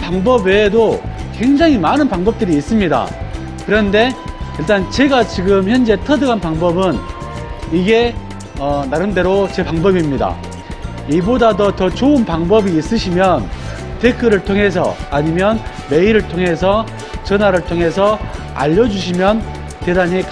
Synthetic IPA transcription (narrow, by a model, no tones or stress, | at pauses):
paŋbʌbedoke̞ŋd͡ʑaŋimanɯnpaŋbʌp̚t͈ɯɾiːs͈ɯmɲida̰ | kɯɾʌnde̞iɭt͈ant͡ɕe̞ɡat͡ɕiɡɯmçjʌnd͡ʑe̞tʰʌdɯɡanpaŋbʌbɯn | iɡe̞ | ʌnaɾɯnde̞ɾot͡ɕe̞paŋbʌbimɲida̰ | ibodadʌtʌt͡ɕoɯnpaŋbʌbiːs͈ɯɕʰimjʌn | tekʰɯɾɯɭtʰoŋɦe̞s̬ʰʌ̰aɲimjʌn | me̞iɾɯɭtʰoŋɦe̞s̬ʰʌ | t͡ɕʌnaɾɯɭtʰoŋɦe̞sʰʌ | a̰ʎːʌd͡ʑuɕ̬ʰimjʌn | te̞daɲik